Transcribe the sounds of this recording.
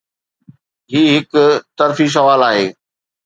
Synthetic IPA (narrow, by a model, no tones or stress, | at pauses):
ɦiːɦɪkt̪ɐɾfis̬ɐʋaːlaːɦeː